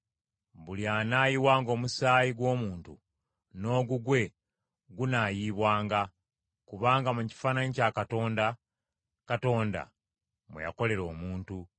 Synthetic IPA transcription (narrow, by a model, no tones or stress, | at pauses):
βuljanaːjiwaːŋɡo̞ːmusaːjiɡwo̞ːmuːntṵ | no̞ːɡuɡwe̞ | ɡunajiːβwaːŋɡa | kuβaːŋɡamuci̥faːnaɲicakato̞ːnda | kato̞ːnda̰ | mṵja̰ko̞le̞ɾo̞̰ːmuːntu